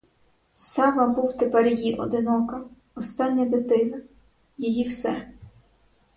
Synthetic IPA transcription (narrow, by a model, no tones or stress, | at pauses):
sɑʋɐbuwt̪epɛrjjiʔɔ̰d̪ɪnɔkɐ | ɔst̪ɑnʲːɐd̪ɪt̪ɪnɐ | jejiwsɛ